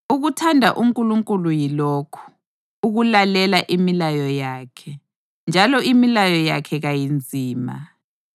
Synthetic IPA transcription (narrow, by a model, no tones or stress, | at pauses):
uɣutʰandʱaʔuŋkʼuluŋkʼulujilɔkʰu̥ | uɣulalɛlaʔimilajɔjaːkʰɛ | nd͡ʒʱalɔimilajɔjakʰɛɣajind͡zʱiːma̰